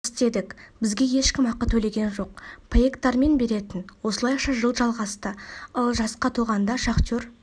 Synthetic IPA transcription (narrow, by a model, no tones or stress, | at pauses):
st̪e̞d̪ɪkʲbɪzɡʲe̞je̞ʃkʲɪmɑqːət̪ʰɵle̞ɡʲe̞nʒo̞q̚pʰeekt̪ɑɾme̞nbe̞ɾe̞t̪ɪnwo̞səlˠɑjqʃɑʒəlˠʒɑlˠʁɑst̪əəlˠʒɑsqɑt̪ʰuʁɑnd̪ɑʃɑqtʲøɾ